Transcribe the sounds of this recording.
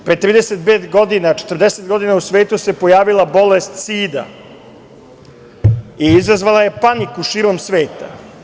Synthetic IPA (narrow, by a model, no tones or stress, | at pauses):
pɾet̪ɾiːd̪eset̪̚peːt̪ɡo̞d̪inat͡ʃe̥t̪rd̪eset̪̚ɡo̞d̪inausʋe̞ːt̪use̞po̞jaːʋilˠabo̞lest̪siːd̪a̰ | iizazʋalˠaje̞panikuʃiːɾo̞msʋe̞ːt̪a̰